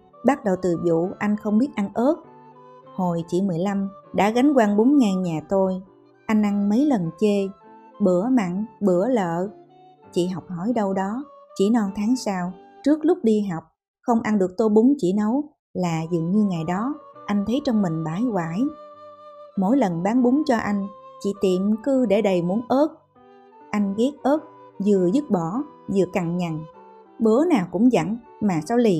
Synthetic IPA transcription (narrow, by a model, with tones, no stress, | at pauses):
ɓa˦˥t̚ɗə˨˩wt̪ɨ˨˩zṵ˧˨ʔa˧jŋ̟xə˧wŋ͡mɓi˦˥ət̚ʔa˧nʔəː˦˥t̚ho˨˩jt͡ɕḭ˧˨mɨ˨˩əjla˧mɗa̰ː˧˥ɣa˨˦jŋ̟kwaː˧nɓo˨˦nŋaː˨˩nɲaː˨˩t̪o˧j | ʔa˧jŋ̟ʔa˧ŋmə˨˦jlə˨˩nt͡ɕe˧ɓɨ˧˩əma̰ː˧˨ŋɓɨ˧˩ələ̰ː˧˨ | t͡ɕḭ˧˨ɦɔ˨˩wk͡p̚hɔ̰˧˩jɗə˧wɗɔ˨˦t͡ɕḭ˧˩nɔ˧˩wt̪ʰaː˨˦ŋsaː˧wt͡ɕɨ˦˥ək̚lʊ˦˥k͡p̚ɗi˧ɦɔ˨˩wk͡p̚ | xə˧wŋ͡mʔa˧nɗɨ˨˩ək̚t̪o˧jɓʊ˨˦ŋ͡mt͡ɕḭ˧˩nə˨˦w | laː˨˩zɨ̰˨˩ŋɲɨ˧ŋa˨˩jɗɔ˨˦ʔa˧jŋ̟t̪ʰə˨˦jt͡ɕɔ˧wŋ͡mmï˨˩ŋ̟ɓaː˧˩˦jɣwaː˧˩j | mo̰˧˥jlə˨˩nɓaː˨˦nɓʊ˨˦ŋ͡mt͡ɕɔ˧ʔa˧jŋ̟t͡ɕḭ˧˨t̪i˨˩mkɨ˧ɗe˧˩ɗə˨˩jmu˨˦ənʔəː˦˥t̚ | ʔa˧jŋ̟ɣi˦˥k̚ʔəː˦˥t̚ | zɨ˨˩əzɨ˦˥t̚ɓɔ˧˩zɨ̰˨˩əka˨˩ŋɲa˨˩ŋ | ɓə˨˦naː˨˩wkʊ̰˧˥ŋ͡mzə̰˧˨n | maː˨˩saː˧wli˨˩